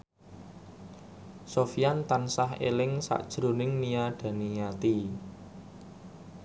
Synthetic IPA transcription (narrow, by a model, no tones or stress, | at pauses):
sofijant̪ansaɦḛlɪŋsa̰ʔd̥ʒ̥ɾonɪŋnijaɖ̥a̤nijat̪i